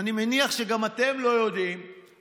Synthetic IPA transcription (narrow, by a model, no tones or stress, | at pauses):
nimeniaχʃe̞ɡamat̪e̞mlo̞jo̞d̪im